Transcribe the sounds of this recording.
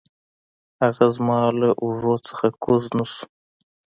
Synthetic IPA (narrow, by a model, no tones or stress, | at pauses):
haɣazmɑːlaʔuʐot͡sə̥xakʰoznusu̥